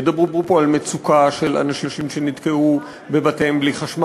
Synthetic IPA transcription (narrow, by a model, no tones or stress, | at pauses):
d̪abʁubʁupo̞almet͡sukaʃe̞la̰naʃiʃimʃenit̪keu | be̞bateembliχaʃma